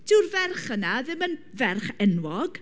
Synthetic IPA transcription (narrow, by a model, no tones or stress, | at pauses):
d̥ɪwrvɛrχənaðɪmən | vɛrχɛnwɔɡ̥